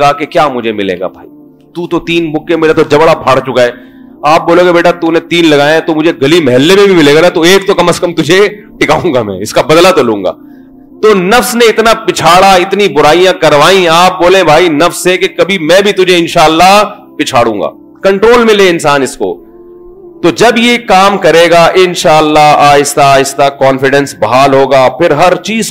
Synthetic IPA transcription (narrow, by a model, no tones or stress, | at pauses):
aːkekjaːmʊd͡ʒʱemɪlḛːɡa̰bʱa̰ːi | t̪uːt̪ot̪iːnmʊkːemɪlat̪od͡ʒɐbɽapʰaːɽt͡ʃʊkaɛː | aːp̚boːlẽkebeːʈat̪unẽt̪iːnlɐɡaːjẽt̪omʊd͡ʒʱeɡɐlimɐɦɛlːemẽbʱimɪleːɡanat̪oeːk̚t̪okɐməskɐmt̪ʊd͡ʒʱeʈɪka̰ːũːŋɡamɛ̰̃ɪskabɐd̪lat̪olũːŋɡa̰ː | t̪onɐfsnẽɪt̪napɪt͡ʃʰaːɽaɪt̪nibʊɾaːijãkɐɾʋaːĩaːp̚boːlẽbʱaːinɐfsekekɐbʱimɛ̃ːbʱit̪ʊd͡ʒʱeɪnʃaːəlːaɦ | pɪt͡ʃʰaːɽũːŋɡa̰ː | kɐ̃ɳʈɾoːlmɪ̃leɪnsaːnɪsko̰ | t̪od͡ʒɐbjekaːmkɐɾeːɡaʔɪ̃nʃaːəlːaɦaːɪst̪aɪst̪akɔːnfɪɖɛ̃nsbɐɦaːlɦoːɡaːpʰɪɾɦɐɾt͡ʃiːz